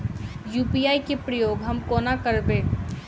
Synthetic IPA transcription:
juːpijaːikepɾəjoːɡɦɐmkoːnakəɾbeː

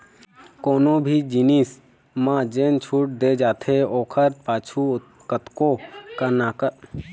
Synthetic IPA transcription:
koːnõbʱid͡ʒinis | mãd͡ʒeːnt͡ʃʰuːʈ̚d̪eːd͡ʒaːt̪ʰeɔːkʰəɾpaːt͡ʃʰu | kət̪kokənaːkə

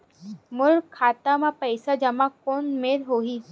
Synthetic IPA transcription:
mʊɾkʰːaːt̪amãpəɪsad͡ʒɐmakoːnmeːɾɦoːɦiː

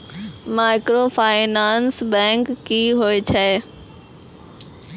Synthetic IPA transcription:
mãːɪkɾoːfʰaːɪnaːnsbɛ̃ːŋkːiːɦoet͡ɕʰɛː

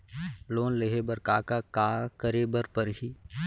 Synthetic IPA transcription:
loːnleɦebəɾkaːkakaːkəɾeːbəɾpəɾɦiː

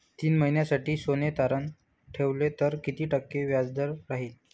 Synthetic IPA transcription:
t̪iːnməɦinjasaʈiːsonet̪aɾən | ʈʰeʋlet̪əɾkit̪iːʈəkːeʋjad͡zd̪əɾːaɦiːl

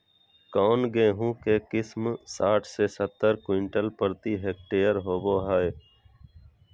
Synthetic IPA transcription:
kɔːnɡẽːɦũːkeːkɪsmsaːʈʰseːsət̪ːəɾkwɪɳʈəlpəɾt̪iːɦeːk̚ʈeːjəɾɦoːboːɦaːe

